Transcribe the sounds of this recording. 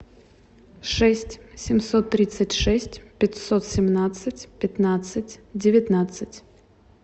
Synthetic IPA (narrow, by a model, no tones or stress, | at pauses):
ʂɛsʲtʲsʲɪmso̞t̪ːɾʲit̪sɨtʲʂɛsʲtʲpʲɪtʲsot̪sʲɪmnat̪sɨtʲpʲɪt̪nat̪sɨtʲdʲɪvʲɪt̪nat̪sɨtʲ